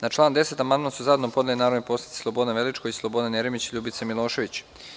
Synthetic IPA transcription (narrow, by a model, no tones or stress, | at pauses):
nat͡ʃlˠaːnd̪e̞se̞t̪amand̪masuzaed̪nopod̪alinaːɾoʋnipo̞sle̥t̪i̥slˠo̞bo̞d̪naʋelit͡ʃkoislˠobo̞d̪anjeɾimit͡ɕiʎuːbit̪semilˠo̞ːʃe̞ʋit͡ɕ